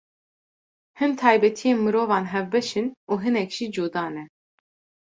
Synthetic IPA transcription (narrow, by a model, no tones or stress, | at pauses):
hɨmt̪ʰɑːjbɛt̪ʰijeːnmɨɾoːvɑːnɦɛvbɛʃɨnuːɦɨnɛkʒ̥id͡ʒoːd̪ɑːnɛ